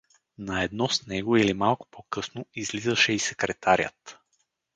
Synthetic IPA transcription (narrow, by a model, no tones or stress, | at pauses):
nɐɛd̪nɔsnɛɡʊilimalˠkʊ̥pʰokɤsnoizlizəʃɛisɛkɾɛt̪ʰaɾʲjə̰t̪